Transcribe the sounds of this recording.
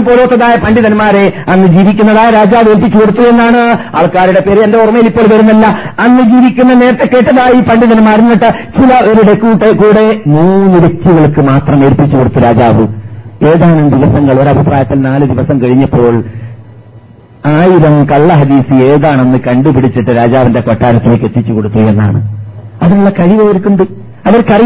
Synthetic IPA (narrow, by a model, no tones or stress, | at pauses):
poːloːt̪ːɐðaːjɐpɐɳɖiðɐnmaːɾeɐnːɨd͡ʑiːʋikʲːunːɐðaːjɐɾaːd͡ʑaːʋeːɾpːit͡ɕːukoɽut̪ːue̞nːaːɳɨa̰ːɭkaːɾuɽe̞pe̞ːɾiendeurmɐjilipːo̞ːɭʋɐɾunːɐlːɐɐnːɨd͡ʑiːʋikʲːunːɐne̞ːɾɐt̪ːe̞kːe̞ːʈːɐðaːjipɐɳɖiðɐnmːaːɾunːiʈːɨt͡ɕilɐʔoɾuɽe̞kuːʈːekuːɽe̞muːnːɨɾekʲːuɣɐɭkːɨmaːt̪rɐme̞ːɾpːit͡ɕːukoɽut̪ːuɾaːd͡ʑaːʋɨe̞ːðaːnɐmd̪iʋɐsɐŋːɐɭo̞ɾɐbʱɐpraːjɐt̪ːilnaːlɨd̪iʋɐsɐmkɐɻiɲːɐpːo̞ːɭ | aːjiɾɐmkɐɭːɐɦɐd̪iːsɨeːðaːɳe̞nːɨkɐɳɖupiɽit͡ɕːiʈːɨɾaːd͡ʑaːʋinde̞ko̞ʈːaːɾɐt̪ːilekːet̪ːit͡ɕːuko̞ɽut̪ːuɐjenːa̰ːɳɨ̰ɐðinuɭːɐkɐɻiʋɐɐɾkːuɳɖɨ | ɐʋɐɾkɐri